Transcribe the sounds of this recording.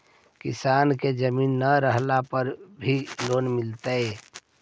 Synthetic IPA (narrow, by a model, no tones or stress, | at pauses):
kɪ̰saːnked͡ʒəmiːnːəɾəɦlapəɾbʱiloːnmɪlt̪aeː